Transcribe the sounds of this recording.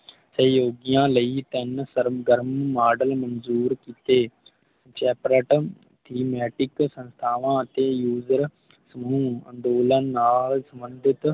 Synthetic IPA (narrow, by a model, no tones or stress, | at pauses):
səjoːɡɪjãːləiːt̪ənsəɾɡəɾmːaːɖəlmənzuːɾkiːt̪eː | t͡ʃɛːpɾəʈ | t̪ʰiːmɛːʈɪksə̃nst̪ʰaːʋãːət̪eːjuːzəɾ | səmũːə̰̃nd̪oːlənːaːlsəmbənd̪ʱɪt̪